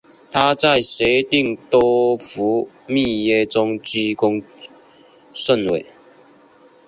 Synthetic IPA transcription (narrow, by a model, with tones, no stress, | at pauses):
t̪ʰa˦t͡sa˥˩ɪse˨˥ɪt̪i˥˧ŋt̪ɔ˦˥fu˨˥˦ | mi˥˧je˥˩t͡sʊ˦ŋt͡ɕi˥kʊ˥ŋ | sə˥˨nwḛ˨˩